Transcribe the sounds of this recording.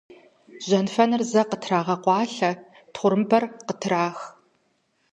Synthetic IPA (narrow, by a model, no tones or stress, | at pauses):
ʑ̥ɐnfɐnɨrzɐqətʰraːʁɐqʷɑːɬɐ | tχʷʊɾɨmbɐrqətʰɾaːx